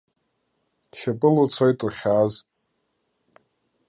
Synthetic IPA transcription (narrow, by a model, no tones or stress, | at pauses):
ʃapʼɨlot͡sʷʰojtʼoχʲaːz